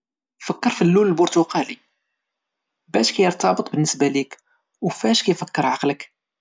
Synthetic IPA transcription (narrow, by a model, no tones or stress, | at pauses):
fəkːəɾˤfilːunəlbʊɾt̪uqɑli | bæʃkæjəɾˤt̪ɑbət̪ˤbənːəsbælik | wfæʃkæjfəkːəɾˤʕɑqlək